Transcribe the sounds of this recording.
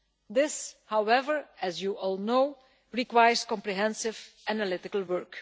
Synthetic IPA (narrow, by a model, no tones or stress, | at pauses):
d̪ɪshawɛvəɹɛzjuʔɔlˠnoʊ | ɹikwajəɹskɔ̃mpɹiɦɛ̃nsɪvænəlɪtɪkəlˠwɜɹk